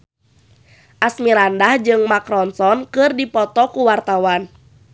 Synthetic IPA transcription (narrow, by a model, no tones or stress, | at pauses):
ʔasmiɾandahd͡ʒɨŋmakɾɔnsɔnkɨrdipɔt̪ɔkuwart̪awan